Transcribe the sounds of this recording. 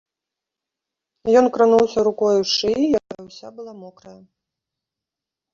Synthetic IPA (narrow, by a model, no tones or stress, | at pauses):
jɔnkɾɨnuwsʲɐɾukɔjuʂɨjakajɐwsʲabɨlˠamɔkɾɐjɐ